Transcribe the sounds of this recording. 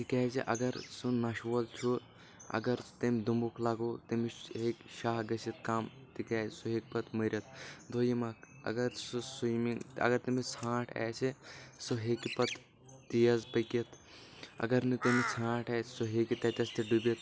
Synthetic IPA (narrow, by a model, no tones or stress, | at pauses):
t̪ikɛːzḭʔɐɡɐɾsunɐʃʋɐlt͡ʃʰu | ɐ̰ɡɐɾt̪emʲd̪umbukʰlaːɡoːt̪imiɦekʃaːɦɡɐsit̪̚kaːmt̪ikaːsuɦeːkpɐt̪mɐɾʲɐt̪d̪ʱojimaːk | ɐ̰ɡɐɾsusumiɐ̰ɡɐɾt̪imit͡sʰãːʈʰɛ̰ːsesoɦeːkipɐt̪ː | ijɐzpɐkɐt̪ʰɐ̰ɡɐɾnɨt̪emit͡sʰãːʈʰɛːsuɦeːkit̪ɐt̪ʲɐst̪iɖubit̪